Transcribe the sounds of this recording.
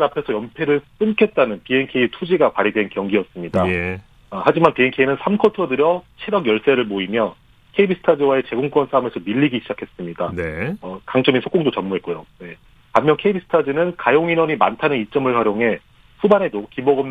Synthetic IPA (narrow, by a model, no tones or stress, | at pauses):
ɾapʰe̞sʰʌjʌmpʰe̞ɾɯɭs͈ɯmkʰe̞t̚t͈anɯnpie̞nkʰe̞itʰud͡ʑiɡapaɾidwe̞nkjʌŋɡiʌs͈ɯmɲida | had͡ʑimanpie̞nkʰeinɯnsʰamkʰʌtʰʌdɯɾjʌt͡ɕʰeɾjʌɡjʌɭs͈eɾɯɭmoimjʌ | kʰe̞ibisʰɯ̥tʰad͡ʑiwae̞t͡ɕe̞ɡoŋk͈wʌnsʰame̞sʰʌmiʎːiɡiɕʰid͡ʑakʰe̞s͈ɯmɲidanʌkaŋt͡ɕ͈ʌminsʰok͈oŋdot͡ɕʌmːuɦe̞t̚k͈ujone | kamːjʌnkʰe̞ibisʰɯ̥tʰad͡ʑinɯnkajoŋinwʌɲimantʰanɯnit͡ɕ͈ʌmɯɭhwaɾjoŋɦe̞ | subanɦe̞dokimʌɡʌm